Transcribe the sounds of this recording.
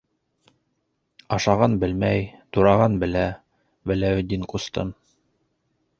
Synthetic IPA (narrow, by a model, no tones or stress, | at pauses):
ɑʃɑʁɑnbɘ̆lmæjt̪uɾɑʁɑnbɘ̆læ | wælæwɵ̆d̪ʲːiŋqust̪ɤ̰m